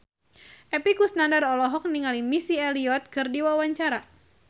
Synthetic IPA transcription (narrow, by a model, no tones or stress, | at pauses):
ʔɛpikusnandarɔlɔɦɔk̚niŋalimisiɛliɔt̪̚kɨrdiwawaɲt͡ʃaɾa